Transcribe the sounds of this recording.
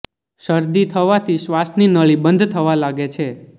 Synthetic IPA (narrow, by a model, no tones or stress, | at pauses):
ʃəɾd̪it̪ʰəʋat̪ʰiʃʋasninəɭibənd̪ʱt̪ʰəʋalaɡet͡ʃʰe